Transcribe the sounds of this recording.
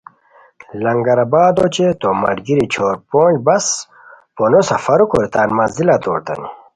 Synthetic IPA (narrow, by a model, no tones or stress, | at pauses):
lɐŋɡɐɾɐbaːd̪ot͡ɕet̪omɐ̰ɾɡiɾit͡ɕʰoːɾpoːbɐs | ponosɐfɐɾukoɾit̪aːnmɐzilat̪o̰ːɾt̪ɐ̰ni